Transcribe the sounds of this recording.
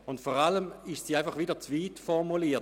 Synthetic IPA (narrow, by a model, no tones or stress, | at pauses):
ʊntfoːʁaləmɪʃsiːaɪfɑχʋidɐt͡sviːtfɔʁmuliːɐt